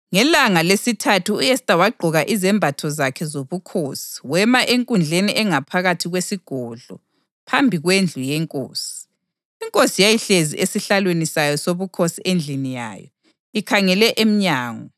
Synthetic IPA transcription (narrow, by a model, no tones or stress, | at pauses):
ŋɛlaŋalesitʰatʰuːɛstʼawaɡ͡ǃʱɔɣaʔizɛmbʱatʰɔzakʰɛzoβukʰosi̥wɛmaʔeŋkʼund͡ɮʱeniʔɛŋapʰaɣatʰiɣwesiɡ̥ʱɔɮɔ̰ | pʰambʱiɣwend͡ɮʱujɛŋkʼo̰ːsi̥ | iŋkʼosijajiɬezḭʔesiɬalwenisajɔsoβukʰosiʔend͡ɮʱinija̰ːjɔ̰ | ikʰaŋɛlɛʔem̩ɲaːŋɔ